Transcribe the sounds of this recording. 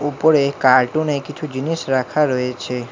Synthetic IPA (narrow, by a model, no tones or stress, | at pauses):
upəɽekaɾʈũnekit͡ʃʰũd͡ʒinisɾakʰaɾɔet͡ʃʰe